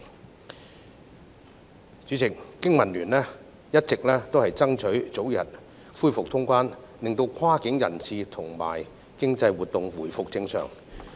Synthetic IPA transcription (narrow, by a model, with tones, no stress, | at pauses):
t͡sy˨˥t͡sʰɪ˨˩kːɪ˥ŋmɐ˨˩nlyː˨˩nlɛː˥ | jɐ˥t̚t͡sɪ˨k̚lɛː˥t̪o˥whɐ˨jt͡sɐ˥ŋt͡ʃʰɵ˨˥ɥt͡so˨˥wjɐ̰˨t̚ | fuː˥jfʊ˨k̚t̪ʰʊ˥ŋkʷwaː˥n | lɪ˨˩ŋt̪o˧wkʰwaː˥kɪ˨˥ŋjɐ̰˨˩nt͡sʰiː˨t̪ʰʊ˨˩ŋma̰ː˨˩j | kɪ˥ŋt͡sɐ˧jwuː˨t̚t̪ʊ˨ŋwuː˨˩jfʊ˨k̚t͡sɪ˧ŋsœ̰ː˨˩ŋ